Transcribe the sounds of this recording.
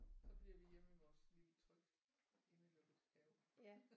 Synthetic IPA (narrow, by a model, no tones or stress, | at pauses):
sɒ̽b̥liɐʋijem̰əʋɒsliːt͡sʰʁœɡ̥ | e̝nəlɔb̥əshɛʊ